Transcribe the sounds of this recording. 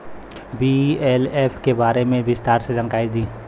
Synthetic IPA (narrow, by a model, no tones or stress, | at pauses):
bieːleːpʰkebaːɾemẽbɪst̪aːɾsed͡ʒənkaːid̪ĩː